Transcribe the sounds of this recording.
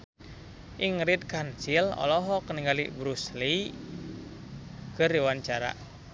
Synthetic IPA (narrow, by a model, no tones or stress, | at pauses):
ʔiŋɾit̪̚kant͡ʃilɔ̰lɔɦɔkəniŋɡalḭbɾusli | kɨriwaɲt͡ʃaɾa̰